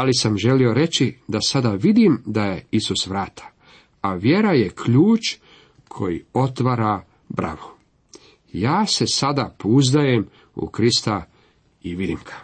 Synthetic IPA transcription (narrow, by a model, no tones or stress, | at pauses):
alisamʒe̞lio̞ɾe̞t͡ɕid̪asad̪aʋid̪imd̪aje̞isusʋɾaːt̪ʰḁ | aʋje̞ɾaje̞kʰʎuːt͡ʃ | kʰo̞jḭo̞t̪ʋaɾa | bɾa̰ʋo | jaːse̞sad̪apouzd̪aje̞m | ṵkɾist̪a | iʋid̪imɡ̥ḁ